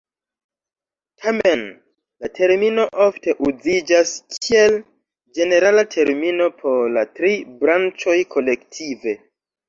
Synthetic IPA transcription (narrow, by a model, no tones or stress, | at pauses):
tʰame̞n | latʰe̞ɾmino̞ʔofte̞ʔuzid͡ʒaskʰie̞l | d͡ʒe̞ne̞ɾalatʰe̞ɾmino̞pʰo̞ɾlatɾibɾant͡ʃo̞jkʰo̞le̞ktʰive̞